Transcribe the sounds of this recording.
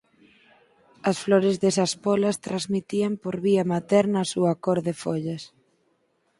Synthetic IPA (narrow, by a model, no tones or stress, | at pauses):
ɐsfloɾezðesɐspɔlɐst̪ɾazmit̪iɐmpoɾβiɐmat̪ɛɾnːsuɐkoɾðefoʎɐs